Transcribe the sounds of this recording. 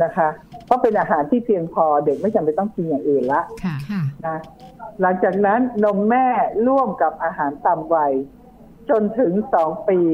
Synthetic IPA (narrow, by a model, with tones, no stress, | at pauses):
na˦˥kʰa˦˥ʔkʰɔː˥˩pe˧nʔaː˧ɦaː˩˦nt̪ʰiː˥˩pi˧əŋpʰɔː˧de˨˩k̚ma˥˩ja˧pːa˧˩jt̪ɔ˥˩ŋkʰi˧nja˨˩ŋʔeː˧nla˦˥ʔna˦˥la˩˦ŋt͡ɕaː˨˩k̚na˦˥nːo˧˩mːɛː˥˩ɾu˥˩əmka˨˩p̚ʔaː˧ɦaː˩˦nt̪a˧˩mwa˧j | t͡ɕo˧nt̪ʰɯ˨˩˦ŋsɔː˩˦ŋpiː˧